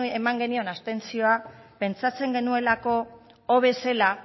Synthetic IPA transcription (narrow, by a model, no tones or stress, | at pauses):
emaŋɡe̞nio̞nast̪e̞nt͡sio̞ape̞nt͡sat͡se̞ŋɡe̞nue̞lako̞ː | βe̞se̞la